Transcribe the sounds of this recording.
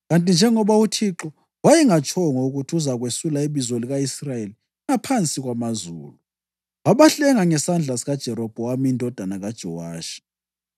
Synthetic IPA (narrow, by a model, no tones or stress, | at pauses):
ɣantʼind͡ʒʱɛŋɔβautʰiǁɔ | wajɛŋat͡ʃʰʼɔŋɔuɣutʰuzaɣwesulaiβizoliɣaisrajeli | ŋapʰant͡sʼiɣwamazuːlu | waβaɬɛŋaŋɛsand͡ɮʱasiɣad̥ʒ̥ʱɛɾɔb̥ʱɔwamiindʱɔd̥ʱanaɣad̥ʒ̥ʱɔ̰waːʃi̥